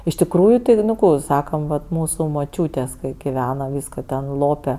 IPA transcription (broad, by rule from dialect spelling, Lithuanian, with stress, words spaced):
ɪʃ tʲɪkˈruːjʊ tʲɪ nʊ ˈkuː ɪ ˈsɑːkɐm ˈʋɐt ˈmuːsʊ moːˈt͡ʃʲuːtʲeːsʲ ˈkɐɪ ɡʲɪˈʋʲæːnoː ˈʋʲiːskoː tʲɛn ˈlˠoːpʲɛ